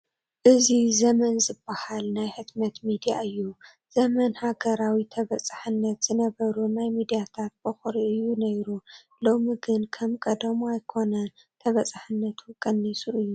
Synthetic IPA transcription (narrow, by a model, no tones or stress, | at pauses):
ʔɨzizɐmɐnzɨbːahalnajħɨt̪mɐt̪mid̪ijaʔɨjːu | z̥ɐmɐnhaɡɐɾawit̪ʰɐβɐt͡sʼaħɨnːɐt̪z̥ɨnɐβɐɾunajmid̪ijat̪ʰat̪̚bɐxɾiʔɨjːunɐjɾu | lo̞miɡɨnkʰɐmkʼɐd̪ɐmajkʰo̞nɐ | t̪ʰɐβɐt͡sʼaħɨnːɐt̪ʰukʼɐnːisʼuʔɨjːu